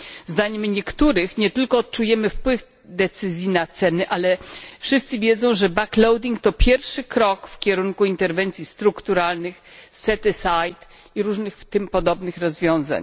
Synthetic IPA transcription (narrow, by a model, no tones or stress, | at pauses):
zd̪aɲɛmɲɛkt̪uɾɘxɲɛt̪ɘlkɔːt̪̚t͡ʂujɛmɘfpwɘv | d̪ɛt̪sɘzʲjinat̪sɛnɘʔalɛfʂɘst̪sɘvʲjɛd̪zɔ̃w̃ʐɛbaklɔwd̪ʲiŋk̚t̪ɔpʲjɛɾfʂɘkɾɔkfkʲɛɾuŋkuint̪ɛɾvɛnt̪sʲjist̪ɾukt̪uɾalnɘxsɛt̪ɛsajt̪ | iɾuʐnɘxt̪ɘmpɔd̪ɔbnɘxɾɔzvʲjɔ̃w̃za̰ɲ